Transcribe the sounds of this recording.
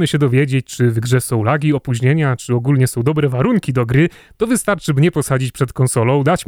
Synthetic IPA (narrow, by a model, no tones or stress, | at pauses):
mɘɕɛd̪ɔvʲjed͡ʑet͡ɕt͡ʂɘvɡʐɛsɔ̃w̃laɡʲiɔpuʑɲeɲat͡ʂɘɔɡulɲɛsɔ̃w̃d̪ɔbɾɛvaɾuŋkʲid̪ɔɡɾɘ | t̪ɔvɘst̪aɾt͡ʂɘmɲɛpɔsad͡ʑit͡ɕpʂɛt̪kɔnsɔlɔ̃w̃d̪at͡ɕ